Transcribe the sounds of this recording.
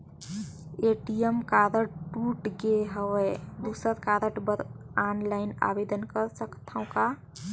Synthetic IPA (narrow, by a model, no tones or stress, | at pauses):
eʈijəmkaːɾəʈʈuʈɡeɦəwed̪usəɾkaːɾəʈbəɾaːnlaɪna̰bed̪ənkəɾsəkt̪ʰaõka